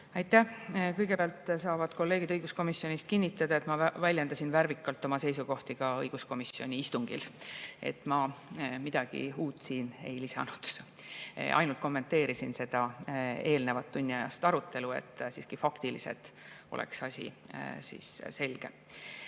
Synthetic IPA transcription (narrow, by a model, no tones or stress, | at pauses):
ɑjt̪ˑːæhkɤjɡe̞pæɑlt̪ːˑsɑːvɑd̪̥ko̞lːe̞ːɡid̪ɤjɡ̥usko̞misjo̞nʲist̪̚kinʲːit̪ːˑɑd̪ɑe̞t̪mɑvælʲjed̪ɑsinvæɾvikːˑɑlt̪ːˑo̞mɑse̞jsuɡo̞ht̪iɡ̥ɑɤjɡ̥usko̞misːio̞nʲiist̪uŋɡ̥ḭle̞̰t̪ːˑmɑmid̪̥ɑɡ̥ḭuːt̪ːˑsiːne̞̰jlisɑ̰nud̪̥̰ | ʔɑ̰jnult̪̚ko̞mːe̞nt̪ːe̞ːɾisinse̞d̪̥ɑe̞ːlne̞vɑt̪ːunʲːiɑjɑ̰st̪ɑɾut̪ːˑe̞luḛt̪ːˑsiːskifɑkt̪ilḭsḛt̪o̞̰lḛksɑsʲḭsḭːsse̞lɡ̥e̞̰